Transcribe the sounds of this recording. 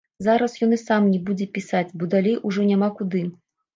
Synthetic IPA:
zaɾɐsjɔnɨsamnʲɛbud͡zʲɛpʲisat͡sʲbɔd̪alʲejʔuʐɔnʲamakud̪ɨ

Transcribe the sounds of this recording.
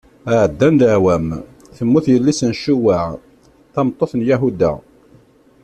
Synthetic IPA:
əʕəd̪ːænd̪əʕwæm | θəmːuθjəlːisənʃuwaʕ | θɑmt̪ˤːoθnjæɦud̪æ̰

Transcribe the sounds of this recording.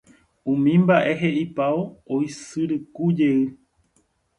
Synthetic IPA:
ũmĩmbaʔe̞ɦeʔipaoojsɨɾɨkud͡ʒe̞ɨ

